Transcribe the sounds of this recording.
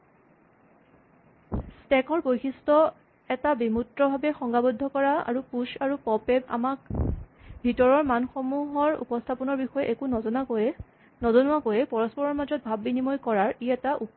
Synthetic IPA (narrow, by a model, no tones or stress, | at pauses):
stɛkɔɹbojxistɔ | ɛtabimutɹɔbʱabɛxɔŋɡabodʱːɔkɔɹaa̰ɹupuʃaɹupɔpɛpa̰mak | bʱitɔɹɔɹmanxɔmuɦɔɹṵpɔstʰapɔnɔɹbixɔjɛʔekunɔza | nɔzɔnʊwakojɛpɔɹɔspɔɹɔɹmazɔt̚bʱabːinimɔjkɔɹaɹiɛtaʔup